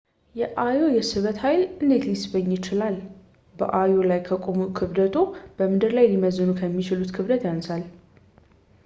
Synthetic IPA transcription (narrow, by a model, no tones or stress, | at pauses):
jɛʔajojɛsɨβət̪hajlɨnd̪e̞t̪ljɪsbəɲːjɪt͡ʃɪlal | b̥ə̰ʔajo̞lajkʰəkʼomukʰɨβd̪ət̪ʰʼob̥əmɨd̪ɨɾlajliməzɨnukʰəmːit͡ʃɪlut̪kʰɨβd̪ət̪jansal